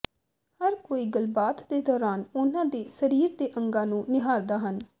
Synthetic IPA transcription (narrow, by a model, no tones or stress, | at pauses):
həɾkoːiːɡəlbaːt̪d̪eːd̪ɔːɾaːnʊnãːd̪eːsəɾiːɾd̪eːʔəŋɡãːnũːnɪɦaːɾd̪aːɦən